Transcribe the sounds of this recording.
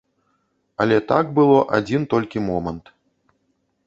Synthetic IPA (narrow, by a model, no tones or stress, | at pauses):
ɐlʲɛt̪aɡbɨlˠɔʔa̰d͡zʲint̪ɔlʲkʲimɔmɐnt̪